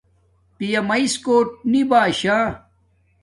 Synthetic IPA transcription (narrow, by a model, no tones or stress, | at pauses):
pijɐmɐiskoːʈ̚nibaːɕaː